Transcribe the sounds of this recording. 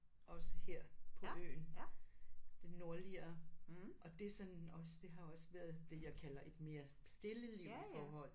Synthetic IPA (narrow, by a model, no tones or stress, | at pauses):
ʔɒ̽səheɐ̰pʰɒ̽ø̰ːn | d̥e̝no̝ɐliɐ | ʔɒ̽d̥e̝sɒ̽nɒ̽sd̥e̝ɦɑ̈joɒ̽sʋæːɐðˠd̥e̝jɑ̈ɪkʰælɐʔe̝d̥me̝ːɐ | sd̥e̝ləliʊ̰fɒːhɒ̽l̰